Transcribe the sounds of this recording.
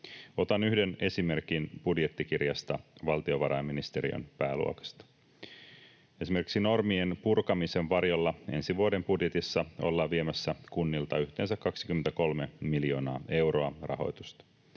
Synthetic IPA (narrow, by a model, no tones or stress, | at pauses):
o̞t̪ɑnyhde̞ne̞sime̞rkinb̥udje̞t̪ːikirjɑst̪ɑʋɑlt̪ioʋɑɾɑemːinist̪e̞ɾḭo̰npæːlṵokɑ̥st̪ɑ̥ | e̞simerkiksino̞rmienpurkɑmise̞ʋʋɑrjo̞lːɑe̞nsiʋuode̞mpudje̞t̪isːɑo̞̰lːɑʋie̞mæsːækunːilt̪ɑyçt̪e̞ːnsækːɑksi̥kyment̪æko̞lme̞miljo̞ːnɑːe̞wro̞ɑrɑ̰ɦo̞̰jt̪ust̪ɑ̥